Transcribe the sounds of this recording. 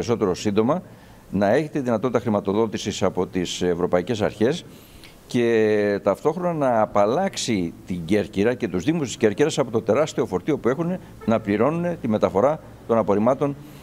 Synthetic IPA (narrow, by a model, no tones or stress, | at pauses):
ɾiso̞t̪e̞ɾosind̪o̞mɐ | nɐe̞çe̞t̪eðinɐt̪o̞t̪it̪ɐxɾimɐt̪o̞ðo̞t̪isisɐpo̞t̪ise̞vɾo̞pɐice̞sɐ̰ɾçe̞s | ce̞t̪ɐft̪o̞xɾo̞nɐnɐːpɐlɐksit̪iɲɟe̞ɾciɾɐce̞t̪uzðiɣmust̪isce̞ɾciɾɐsɐpo̞t̪o̞t̪e̞ɾɐst̪io̞fo̞ɾt̪io̞pue̞xune̞ | nɐpliɾo̞nune̞t̪ime̞t̪ɐfo̞ɾɐ | t̪o̞nɐpo̞ɾimɐt̪o̞n